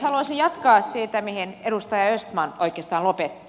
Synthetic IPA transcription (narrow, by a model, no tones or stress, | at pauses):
hɑluɑsijjɑt̪kɑːssit̪æmiheneɾust̪ɑjɑøst̪mɑno̰ikˑeːst̪ɑːnlopet̪ː